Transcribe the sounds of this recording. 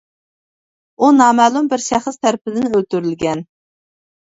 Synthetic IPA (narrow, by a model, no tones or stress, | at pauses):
unɑːmælˠumbɪɾʃæχəst̪ʰæɾpɪd̪ɪnɪølt̪yɾylɡʲɛn